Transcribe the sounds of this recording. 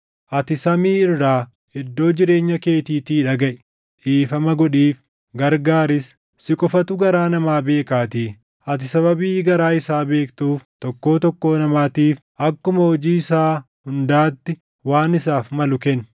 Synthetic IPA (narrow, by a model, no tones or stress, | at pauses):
ʔɐt̪ɪsɐmiːɪrːaː | hɛd̪ːo̞ːd͡ʒɪɾe̞ːɲːɐke̞ːt̪iːt̪iːᶑɐɡɐʔɛ̥ | ᶑiːfɐmɐɡɔᶑiːf | ɡɐɾɡaːɾɪs | sɪkʼɔfɐt̪ʊɡɐɾaːnɐmaːbe̞ːkaːt̪iː | ʔɐt̪̬ɪsɐβɐbiːɡɐɾaːɪsaːbe̞ːkt̪uːft̪ɔkːo̞ːt̪ɔkːo̞ːnɐmaːt̪iːf | ʔɐkːʊmɐɔd͡ʒiːɪsaː | hʊnd̪aːt̪ːɪ | waːnɪsaːfmɐlʊkɛn